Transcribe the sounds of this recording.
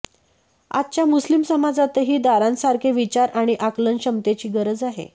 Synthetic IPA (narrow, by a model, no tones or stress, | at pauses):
a̰t̪̚t͡ɕjamuslimsəmad͡zat̪əɦiːd̪aɾãnsaɾkʰeʋit͡ɕaɾaɽ̃iʔaklənɕəmt̪et͡ɕiːɡəɾəd͡zaɦḛ